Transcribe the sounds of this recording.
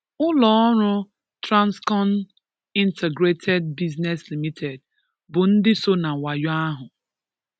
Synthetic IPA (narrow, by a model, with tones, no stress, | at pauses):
ʊ˦lɔ˨˦ɔ˦ɾʊ˦ | tɾa˦nskɔ˦n | i˦ntʰe˨ɡɾe˦tʰe˦d̚bi˦zne˨sli˨mi˦tʰe˨d̚ | bʊ˨n̩˦dɪ˦so˦na˨wa˨jɔ˦a˦ɦʊ˨